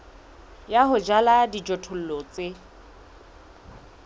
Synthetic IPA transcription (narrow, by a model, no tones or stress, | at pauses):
jaɦʊd͡ʒaladid͡ʒɔtʰʊl̩lɔːt͡sʼe